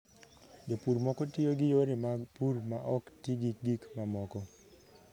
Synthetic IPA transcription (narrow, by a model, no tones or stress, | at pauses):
d͡ʒopuɾmɔkɔtioɡɪjoɾɪmapuɾmaʔɔktiɡik̚ɡikmamɔkɔ